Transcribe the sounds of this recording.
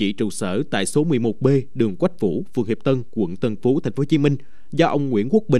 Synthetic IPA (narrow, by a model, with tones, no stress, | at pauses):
t͡ɕḭ˧˩t͡ɕu˨˩səː˧˩t̪a̰ː˧˨jso˨˦mɨ˨˩əjmo˨˩t̚ɓe˧ɗɨ˨˩əŋkwa˦˥jk̟̚fṵ˧˩˥fɨ˨əŋhi˨˩p̚t̪ə˧nkwə̰˧˩ŋt̪ə˧˩nfo˨˦t̪ʰa˨˩ŋ̟fo˨˦t͡ɕi˨˦mï˧ŋ̟ | zɔ˧ʔə˧wŋ͡mŋwḭ˧˥ənku˦˥ək̚ɓï˨